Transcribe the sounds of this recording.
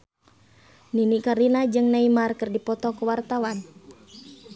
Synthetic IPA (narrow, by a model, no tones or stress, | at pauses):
ninikaɾinad͡ʒɨŋnaimarkɨrdipɔt̪ɔkəwart̪awan